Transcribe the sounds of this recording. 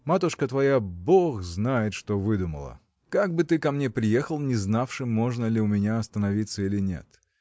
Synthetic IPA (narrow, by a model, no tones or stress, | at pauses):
mat̪ʊʂkət̪vɐjaboxznajɪt̪ʂt̪ovɨd̪ʊmə̰lˠə̰ | kaɡ̚bɨt̪ɨkɐmnʲe̞pɾʲɪje̞xəlˠnʲɪznafʂɨmːo̞ʐnəlʲɪʊmʲɪnʲaɐst̪ənɐvʲit̪səilʲɪnʲḛt̪